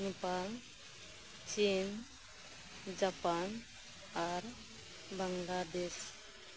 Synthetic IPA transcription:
nepal | t͡ʃin | d͡ʒapan | aɾ | bəŋlad̪es

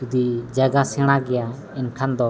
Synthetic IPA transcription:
ud̪id͡ʒaɡasɛɽ̃aɡɛja | inkʰand̪ɔ

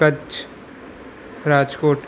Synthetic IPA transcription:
ɐt͡ʃ | ɾaːd͡ʒkoːʈ

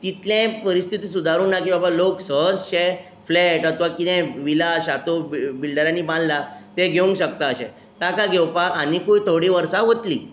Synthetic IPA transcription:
t̪it̪lẽpəɾist̪ʰit̪iːs̬ud̪ʱaɾuːnːakibabaloksəɦəd͡zɕe | flɛʈat̪uʋakit̪ɛ̃ʋilaɕat̪oibilɖəɾãnːiːbãnd̪lat̪eɡʱeũŋkɕək̚t̪aəɕḛ̃ | t̪akaɡʱewpaanikuit̪ʰoɽiʋəɾsaɦot̪lḭ

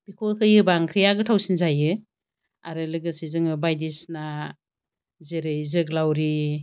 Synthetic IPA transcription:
b̥ikʰɔlkʰɯjɯbaŋkʰɾijaɡɯtʰawsinzajɯ | a̰ɾɯlɯɡɯsizɯŋɯbajdisna | zeɾɯjzɯklawɾi

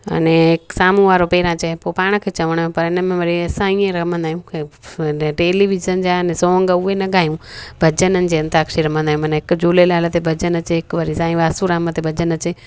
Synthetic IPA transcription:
ɐ̰neksaːmũʋaːɾopeːɾãt͡ʃɛepoːpaːɽ̃kʰeːt͡ʃɐʋəɽ̃ẽpɐɾɪnəmẽʋɐɾiesãiːẽɾɐmə̃nd̪aːijũke | ʈeːliʋizənd͡ʒaənẽsõːŋɡəuenɐɡʱaːjũbʱɐd͡ʒənənɪ̆d͡ʒeːənt̪aːkʃiɾɐmə̃nd̪aːjũmɐnɪkd͡ʒuːlelaːlət̪ebʱɐd͡ʒənɐt͡ʃeːkʋəɾisãːĩʋaːsuɾaːmət̪ebʱɐd͡ʒənɐt͡ʃeː

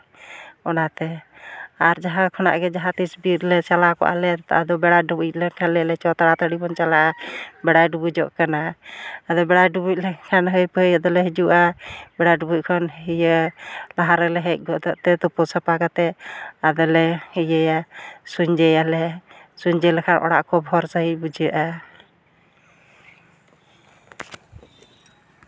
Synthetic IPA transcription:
ɔnat̪ɛ | aɾd͡ʒaɦakʰɔna̰ʔɡɛd͡ʒaɦat̪isbiɾlɛt͡ʃalakɔ̰ʔa̰lɛt̪a̰ʔad̪ɔbɛɽaɖubuuc̚ˀlɛkʰalɛlɛt͡ʃɔt̪aɽat̪aɽibɔnt͡ʃalaʔabɛɽajɖubud͡ʒɔʔkanaad̪ɔbɛɽaɖubuc̚lɛkʰanɦəjpəəjad̪ɔlɛɦid͡ʒuʔabɛɽajɖubuc̚kʰɔnɦijəlaɦaɾəlɛɦəc̚ˀɡɔʔd̪ɔʔt̪ɛt̪ɔpɔsapaɡat̪ɛad̪ɔlɛhəjəjasuɲd͡ʒɛjalɛ | suɲd͡ʒɛlɛkʰanʔɔ̰ɽa̰ʔkɔbʱɔɾsəɦibud͡ʒəʔa

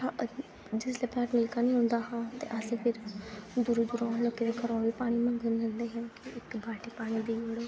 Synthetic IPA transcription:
a | d͡ʒɪsleːpaːʈmɪlkaːnĩːɦʊ̃nd̪aːɦãːt̪ḛːʔəseːpʰɪɾd̪ʊɾud̪ʊɾoːloːkeːd̪eːkʰəɾɔːʋiːpaːɽ̃iːmə̃ŋɡɪnd̪ɪnd̪eːɦõːkiɪkbʱaːʈeːpaːɽ̃iːd̪iːəɽoː

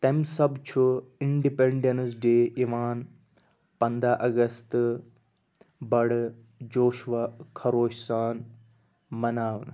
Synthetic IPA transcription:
t̪ɐmsɐbt͡ʃʰuɪɳɖipẽɳɖensɖeːʔiʋaːn | pɐ̃nd̪ʱaʔɐɡɐst̪ | bɐɽ | d͡ʒoːʃʋakʰɐɾoːʃsaːn | mɐnaːʋn

